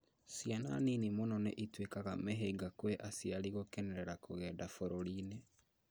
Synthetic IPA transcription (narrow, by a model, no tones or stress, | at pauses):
sjana̰ninimonɔnḛʔitwekaɣamɛɦeɡakwɛʔasjaliɣokɛnɛɾɛɾakoɣɛːdafoɾoɾine